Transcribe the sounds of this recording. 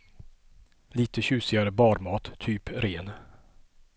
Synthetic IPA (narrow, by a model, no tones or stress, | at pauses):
liːt̪əɕʉ̟ːsɪɡaɾəbɑːɾmɑːt̪ʰːyːpɾeːn